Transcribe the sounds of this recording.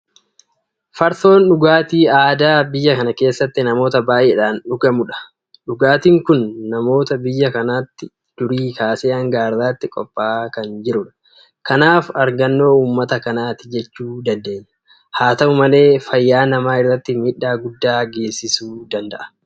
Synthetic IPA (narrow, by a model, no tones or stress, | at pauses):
fɐɾt̪o̞ːnᶑʊɡaːt̪iːaːd̪aːbɪjːɐkɐnɐke̞ːsːɐt̪ːɪnɐmo̞ːt̪ɐbaːʔeːᶑaːnᶑʊkɐmʊᶑɐ̥ | ᶑʊɡaːt̪iːŋkʊnːɐmo̞ːt̪ɐbɪjːɐkɐnaːt̪ːɪ | d̪̥ʊɾiːkaːseːɐŋɡaːɾd̪aːt̪ːɪkʼɔ̰pʼːaːkɐnd͡ʒɪɾʊᶑɐ̥ | kɐnaːfɐɾɡɐnːo̞ːuːmːɐt̪ɐkɐnaːt̪ɪ̥d͡ʒɛt͡ʃːuːd̪ɐnd̪e̞ːɲːɐ̥ | haːt̪ɐʊmɐle̞ːfɐjːaːnɐmaːɪrːɐt̪ːɪmɪᶑːaːɡʊd̪ːaːɡe̞ːsːɪsuːd̪ɐnd̪ɐ̰ʔɐ̥